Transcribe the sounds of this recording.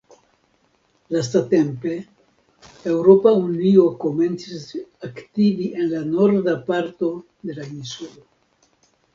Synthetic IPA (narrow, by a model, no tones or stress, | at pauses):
lastate̞mpe̞ | e̞wɾo̞paunio̞ko̞me̞nt͡sisaktiviʔe̞nlano̞ɾdapaɾto̞ | de̞lainsulo